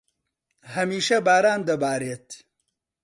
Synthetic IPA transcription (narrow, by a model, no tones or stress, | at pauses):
hɐmiːʃɐbaːɾaːnd̪ɐbaːɾeːt̪